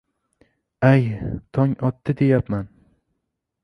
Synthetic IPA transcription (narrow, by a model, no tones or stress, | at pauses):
ajt̪ʰɒŋɒt̪ʰːɪd̪e̞japman